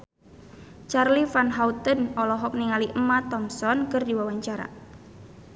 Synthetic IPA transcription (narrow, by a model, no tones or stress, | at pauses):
t͡ʃarlifanɦaut̪ənɔlɔɦɔk̚niŋaliʔəmat̪ɔmsɔnkɨrdiwawaɲt͡ʃaɾa̰